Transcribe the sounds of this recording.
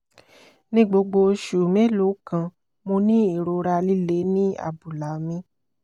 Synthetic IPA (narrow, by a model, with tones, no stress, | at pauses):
nĩ˦ɡ͡bo˧ɡ͡bo˧ʃu˨me˦lo˨˦kã˧ | mo˧nĩ˦i˦˨ɾo˧ɾa˧li˦le˨˦nĩ˦a̰˦˨bu˨la˨mĩ˧